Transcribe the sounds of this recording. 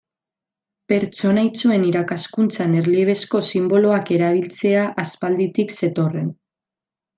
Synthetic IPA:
pe̞ɾt͡ʃo̞nait͡sue̞niɾakaskunt͡sane̞ɾliβ̞e̞sko̞simbo̞lo̞ake̞ɾaβ̞ilt͡se̞aʔaspald̪it̪ikse̞t̪o̞re̞n

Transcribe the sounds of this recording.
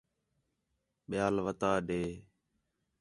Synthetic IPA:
ɓɪjaːlʋət̪aːɗeː

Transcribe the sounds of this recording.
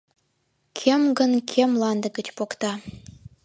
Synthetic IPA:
kʲʰemɡə̆nkʲʰemlˠɑnd̪ə̆ɡə̆t͡ɕpokt̪ɑ

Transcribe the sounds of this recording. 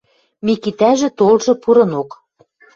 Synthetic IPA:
mikit̪æʒĕt̪olʒɤ̆puɾɤ̆nok

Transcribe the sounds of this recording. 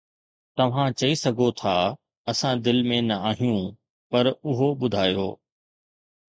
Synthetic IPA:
t̪ɐʋ̤ãt͡ɕɐisɐɡʱot̪ʰaː | ɐsãd̪ɪlmẽnɐaːɦijũ | pɐɾʊɦoɓʊd̪ʱaːjoː

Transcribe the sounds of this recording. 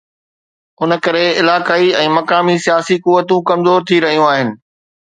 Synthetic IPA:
ʊnəkɐɾeɪlaːkaːiɛ̃ːmɐkaːmisijaːsikuʋːət̪ũkɐmzoːɾt̪ʰiɾɐɦijũaːɦɪnɪ̆

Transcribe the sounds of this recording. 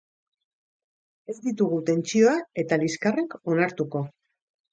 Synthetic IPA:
e̞zd̪it̪uɣ̞ut̪e̞nt͡ʃio̞ae̞t̪aliskare̞ko̞naɾt̪uko̞

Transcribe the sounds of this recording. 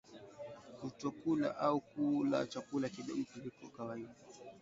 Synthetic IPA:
utɔkula̰ʔaukula̰t͡ʃakulakiɗɛ̰m̩tulikɔkawaiɗa

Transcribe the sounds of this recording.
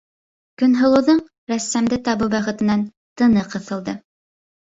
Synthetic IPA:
kɵ̆nɦɤ̆lˠɤ̆wðɤɴ | ɾæsːæmd̪ɘt̪ɑβɤbæχɘ̆t̪ɘ̆næn | t̪ɤ̆nɤqɤ̆θɤ̆lˠd̪ɤ

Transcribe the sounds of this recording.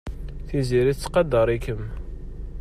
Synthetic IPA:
θiziɾiθt͡sːqɑd̪ːəɾˤikəm

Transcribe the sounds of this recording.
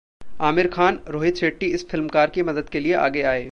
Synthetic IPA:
aːmɪɾkʰaːnɾoːɦɪt̪ʃʰeːʈːiɪsfɪlmkaːɾkimɐd̪əd̪kelieʔa̰ːɡeaːeː

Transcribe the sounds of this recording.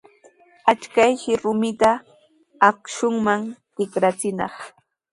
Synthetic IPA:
at͡ʃkajkɪɾʊmɪt̪aː | kʃʊŋmaŋt̪ɪkɾat͡sɪnɑ̰χ

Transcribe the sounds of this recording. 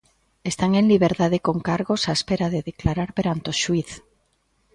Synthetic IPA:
est̪aŋeŋliβ̞eɾt̪aðekoŋkaɾɣosaespeɾaðeðeklaɾaɾpeɾant̪oʃwiθ

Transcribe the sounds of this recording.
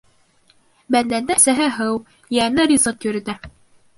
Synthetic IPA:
bænd̪ænd̪æsæɦɘɦɤw | jænɘrʲizɤt̪jɵ̆ɾɘ̆t̪æ

